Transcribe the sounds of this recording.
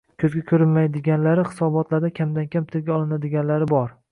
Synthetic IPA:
kʲʰɵzɡʲakʲʰɵɾɪnmajd̪ɪɡʲanlaɾɪχɪ̥sɒbɒt̪ʰlaɾd̪akʲʰamd̪ankʲʰampɪ̥t̪ʰɪɾɡʲaɒlˠɪnad̪ɪɡʲanlaɾɪbɒɾ

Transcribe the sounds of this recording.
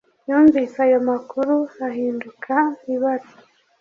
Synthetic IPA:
juːɱviːsaːjomakuɾuaɦiːndukʰamiβaɾo

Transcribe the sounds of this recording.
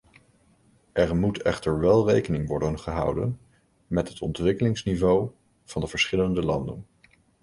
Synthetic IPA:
ʔɛɹmutɛ̰χtəɹʋɛlˠrejkənɪŋʋɔɹdənχəɦɑ̰wdə̰n | mɛtɦətʰɔ̰ntʋɪkəlɪŋsnivow | v̥ɑndəvəɹsχɪləndəlɑndə̰n

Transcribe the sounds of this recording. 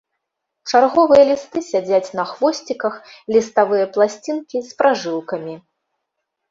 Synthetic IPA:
t͡ʂarɣɔvɨjɐlʲist̪ɨsʲad͡zʲat͡sʲnɐxvɔsʲt͡sʲikɐxlʲist̪avɨjɐplˠasʲt͡sʲinkʲispɾaʐɨlˠkɐmʲi

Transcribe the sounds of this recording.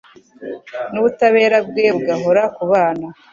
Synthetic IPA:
nuβutaβe̞ːɾab̚ɡe̞bɡaɦo̞ɾakuβaːna

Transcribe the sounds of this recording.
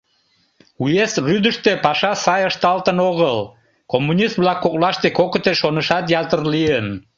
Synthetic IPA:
ujesryd̪əʃt̪epɑʃɑsɑjəʃt̪ɑlt̪ənoɣəl | komːunʲist̪blɑkːoklɑʃt̪ekokət̪eʃonəʃɑt̪jɑt̪ərliən

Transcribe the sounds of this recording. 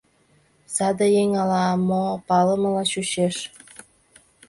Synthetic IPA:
sɑd̪əjeŋɑlɑmopɑləməlɑɕuɕeʃ

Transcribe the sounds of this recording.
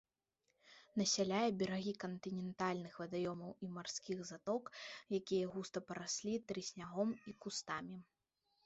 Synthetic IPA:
nɐsʲalʲajɛbʲɛɾaɣʲikɐnt̪ɨnʲɛnt̪alʲnɨxvɐd̪ajɔmɐwimarskʲiɣzat̪ɔkjakʲijɐɣust̪ɐpɐɾasʲlʲit̪ɾɨsʲnʲaɣɔmikust̪amʲi

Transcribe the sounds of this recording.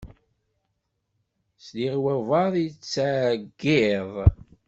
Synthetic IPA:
sliʁwævɑðˤjt͡sːaɡːɪðˤ

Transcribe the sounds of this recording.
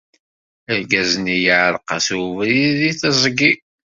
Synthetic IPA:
əɾɡæznijəʕɾˤqɑsvɾiðiθəzˤɡi

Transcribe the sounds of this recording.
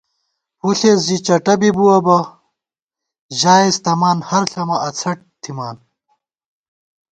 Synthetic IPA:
huɬeːsd͡ʑit͡ɕɐʈɐbibuɐbɐ | ʑaːist̪ɐmaːnhɐɾɬɐmɐʔɐt͡sʰɐʈ̚t̪ʰimaːn

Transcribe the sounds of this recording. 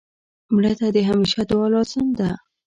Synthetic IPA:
mɽət̪ad̪əɦameʃad̪wɑlɑz̥ɪmd̪a

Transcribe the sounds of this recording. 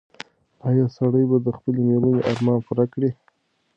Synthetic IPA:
ɑjɑsaɽəjbad̪əxpəlemeɾməneʔɑɾmɑnpʊɾakɽi

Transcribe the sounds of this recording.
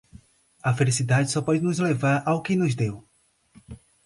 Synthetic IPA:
ɐfelisid̪ad͡ʒɪsɔpɔd͡ʒɪnʊzlevaɾawkɪnʊzd̪ew

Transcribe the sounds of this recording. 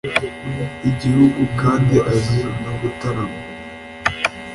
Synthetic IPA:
iɟihuɡukaːndiʔazinaβutaɾama

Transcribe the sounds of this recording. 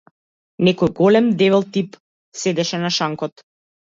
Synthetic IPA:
nɛkɔjɡɔlɛmd̪ɛvɛlˠt̪ip | sɛd̪ɛʃɛnaʃaŋkɔt̪

